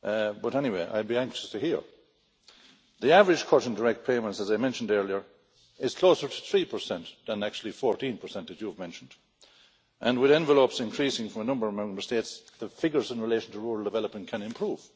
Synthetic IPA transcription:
bʌɾɛniweɪʔa̰ɪbiæ̃ŋkʃə̥stʰɨhiɹ | ðiavəɹɨd͡ʒ̥ʒ̥kʰɔɾ̃n̩də˞ɛk̚t̚pʰeɪmə̃ntsəzaɪmɛ̃nʃə̃n̩dɜ˞liə˞ | ɪz̥kʰl̥oʊsə˞tʰəθɹipʰə˞sɛ̃nðə̃nak̚t͡ʃul̩ˠifɔɹtĩnpʰə˞sɛ̃ntɨt͡ʃuvmɛ̃nʃə̃n̩d | ʔə̃nwɪðɛ̃ɱvəlopsɪ̃nkʰɹ̥isɪ̃ŋfɹʌ̃mənʌ̃mbə˞ʌvmɛ̃mbə˞stetsðəfɪɡjə˞zɪ̃nɹɪleɪʃə̃n̩tʰəɹuɹəl̩ˠdəvɛlˠəpmə̃nkʰə̃nɨ̃mpʰɹ̥uːv̥

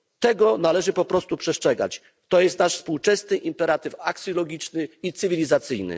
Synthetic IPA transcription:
t̪ɛɡɔnalɛʐɘpɔpɾɔst̪upʂɛʂt͡ʂʂɛɡa̰t͡ɕ | t̪ɔjɛst̪naʂfspuwt͡ʂɛsnɘʔimpɛɾat̪ɘfakt̪sʲjɔlɔɡʲit͡ʂnɘit̪sɘvʲilʲizat̪sɘjnɘ̰

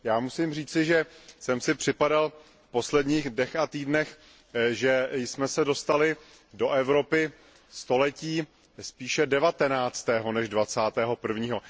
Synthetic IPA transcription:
jaːmusimriːt͡sɪʒɛsɛmsɪpr̝̥ɪpadal | fpo̞slɛdɲiːxdnɛxat̪iːdnɛx | ʒɛjsmɛsɛdo̞st̪alɪ | do̞ʔɛvɾo̞pɪ | st̪o̞lɛciː | spiːʃɛdɛvat̪ɛnaːt͡st̪ɛːɦo̞nɛʒdvat͡saːt̪ɛːɦo̞pr̩vɲiːɦo̞

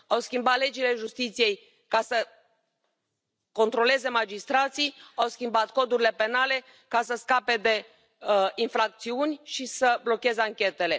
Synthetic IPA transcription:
awskʲimbat̪le̞d͡ʒile̞ʒust̪it̪sije̞j | kasə | ko̞nt̪ɾo̞le̞ze̞mad͡ʒist̪ɾat̪sijawskʲimbat̪ko̞d̪uɾile̞pe̞nale̞ | kasəskape̞d̪e̞ | infɾak̚t̪siunʲʃisəblo̞kʲe̞zeaŋkʲe̞t̪e̞le̞

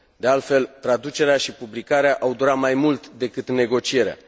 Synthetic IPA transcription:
d̪e̞alt̪fe̞lt̪ɾad̪ut͡ʃe̞ɾeaʃipublikaɾeaʔawd̪uɾat̪majmult̪d̪e̞kɨt̪ne̞ɡo̞t͡ʃie̞ɾea̰

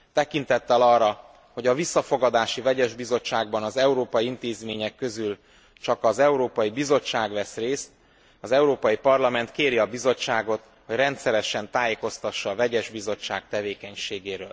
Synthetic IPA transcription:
t̪ɛkint̪ɛt̪ːɛlɒrːɒ | ho̞ɟɒvisːɒfo̞ɡɒd̪aːʃivɛɟɛʒbizo̞t͡ʃːaːɡbɒnɒzɛuɾoːpɒjiint̪eːzmeːɲɛkːøzyl | t͡ʃɒkɒzɛuɾoːpɒjibizo̞t͡ʃːaːɡʋɛsreːst̪̚ | ɒzɛuɾoːpɒjipɒrlɒmɛnt̪keːɾiɒbizo̞t͡ʃːaːɡo̞t̪ | ho̞ɟrɛnt̪sɛɾɛʃɛnt̪aːjeːko̞st̪ɒʃːɒːvɛɟɛʒbizo̞t͡ʃːa̰ːk̚t̪ɛveːkɛɲʃeːɡeːɾø̰ːl

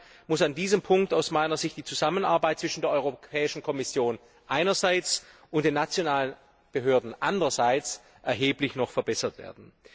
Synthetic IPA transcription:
mʊsandiːzəmpʰʊŋk̚taʊsmaɪnɐzɪçt̚d̥iːt͡suzaməna̰ɐbaɪt̚t͡sv̥ɪʃn̩deːɐʔɔʏʁopʰɛːɪʃn̩kʰɔmɪsjoːn | ʔaɪnɐzaɪt͡sʔʊntd̥eːnːat͡sjonaːlən | b̥əɦøːɐdn̩ʔandəʁɐzaɪt͡s | ʔɛɐɦeːplɪçnɔχfɛɐbɛsɐtv̥ḛːɐdn̩

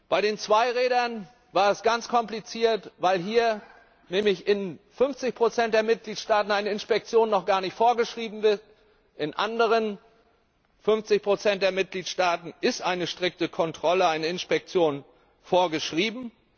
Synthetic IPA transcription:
b̥aɪɾeːnt͡sv̥aɪʁeːdɐn | vaːɐɛsɡ̥ant͡skʰɔmplit͡siːɐtvaɪlɦiːɐ | nɛːmlɪçɪnfʏnft͡sɪçpʁ̥ot͡sɛnt̚d̥eːɐmɪt̚ɡ̥liːtʃtaːtn̩aɪnəɪnspɛk̚t͡sjoːnːɔχɡ̥aːɐnɪçtfoːɐɡəʃʁ̥iːbm̩vɪɐt | ʔɪnʔa̰ndəʁ̞ən | fʏnft͡sɪçpʁ̥ot͡sɛnt̚d̥eːɐmɪt̚ɡ̥liːtʃtaːtn̩ʔɪstʔaɪnəʃtʁ̥ɪk̚təkʰɔntʁ̥ɔləaɪnəɪnspɛk̚t͡sjoːn | foːɐɡəʃʁ̥iːbm̩

